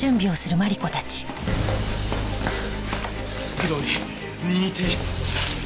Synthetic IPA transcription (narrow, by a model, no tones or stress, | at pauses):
ɨ̃mbʲio̞sɨɾɯ̟maɾʲiko̞t̪at͡ɕi̥ | kɯd̪oɲi | nʲiit̪e̞ːɕi̥t͡sɨ̥ɨ̥t̪a